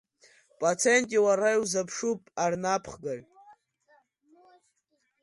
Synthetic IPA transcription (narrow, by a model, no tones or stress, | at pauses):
pʼat͡sʰentʼiwaɾajwzapʰʂupʼarnapʰχɡar